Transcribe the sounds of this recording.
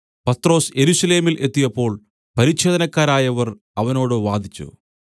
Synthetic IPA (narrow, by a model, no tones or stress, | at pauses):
pɐt̪ro̞ːse̞ɾusɐle̞ːmilʔe̞t̪ːijɐpːo̞ːɭ | pɐɾiɕe̞ːd̪ɐnɐkːaːɾaːjɐʋɐr | ɐʋɐno̞ːɽɨʋaːd̪ʱit͡ɕːṵ